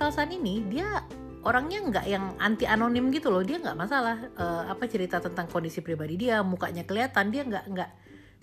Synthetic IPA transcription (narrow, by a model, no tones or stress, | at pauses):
salsaninidia | ʔoɾaŋɲaəŋɡa̰ʔjaŋa̰nt̪iʔanonɪmɡit̪ulɔhdiaŋɡa̰ʔmasalahəapat͡ʃəɾit̪at̪ənt̪aŋkondisipɾibadidiamuka̰ɲakəliat̪andiaŋɡaʔŋɡaʔ